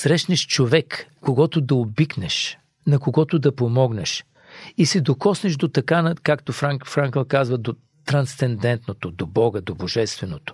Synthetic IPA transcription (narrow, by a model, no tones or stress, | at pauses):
sɾɛʃnɛʃt͡ʃovɛkː | oɡɔt̪od̪ɐobiknɛʃ | nɐkoɡɔt̪od̪ɐpomɔɡnɛʃ | isɛd̪okɔsnɛʃd̪ot̪ɐkanɐkakt̪ofɾakfɾaŋkəlˠkazvəd̪o | t̪ɾɐnst̪ɛnd̪ɛnt̪not̪od̪obɔɡəd̪oboʒɛst̪vɛnot̪o̥